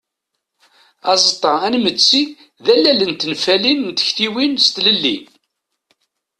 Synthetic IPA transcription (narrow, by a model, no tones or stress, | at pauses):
ɑzˤət̪ˤːɑænmət͡sːi | ðælːælənt̪nfælinnt̪ə̥çθiwinst̪ləlːḭn